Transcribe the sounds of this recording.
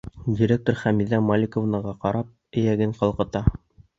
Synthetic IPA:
dʲiɾʲek̚t̪oɾχæmiðæmolʲɪkovnəʁɑqɑɾɑp̚ɘ̆jæɡɘɴqɑlˠqɤ̆t̪ɑ

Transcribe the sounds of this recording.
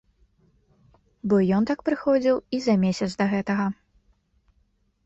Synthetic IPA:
bɔjɔnt̪ak̚pɾɨxɔd͡zʲiwizɐmʲesʲɐt̪sd̪ɐɣɛt̪ɐɣɐ

